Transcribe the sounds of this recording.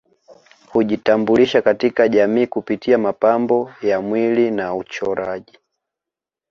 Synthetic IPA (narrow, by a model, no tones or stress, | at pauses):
huʄitambuliʃakatikaʄamiːkupitiamapambɔjamwilinaut͡ʃɔɾaʄi